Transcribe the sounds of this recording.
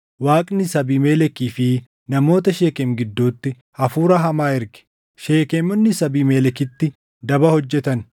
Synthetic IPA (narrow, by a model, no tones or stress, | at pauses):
waːkʼnɪsɐbiːmeːlɛkiːfɪ | nɐmo̞ːt̪ɐʃeːkɛmɡɪd̪ːuːt̪ːɪ | hɐfuːɾɐɦɐmaːɪɾɡɪ̥ | ʃe̞ːkeːmɔnːɪsɐbiːmeːlɛkɪt̪ːɪ | d̪ɐbɐhɔd͡ʒːɛt̪ɐn